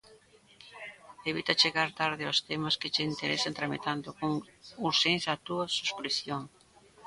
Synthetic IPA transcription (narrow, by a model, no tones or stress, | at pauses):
eβit̪ɐt͡ʃeɣaɾt̪aɾðɪɔst̪emaskɪt͡ʃeint̪eɾesant̪ɾamḭt̪and̪ʊkoŋuɾʃenzat̪uɐsuskɾiθjoŋ